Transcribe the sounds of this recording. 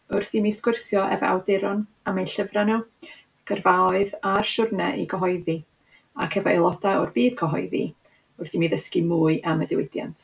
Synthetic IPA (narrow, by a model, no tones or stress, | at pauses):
ʊrθimiskwɪrsjɔʔɛ̰vɔ̰ʔa̰wdɪɾʊnamejnɬəvranɔ | ɡ̥ərvaɔɨðarʃʊrnɛʔiɡɔɦɔjði | a̰kʰɛvɔḛlˠɔdaɔrbiːd̥kʰɔɦɔjðḭ | ʊrθimiðəskimuːɨʔamədɪwɪdja̰ntʰ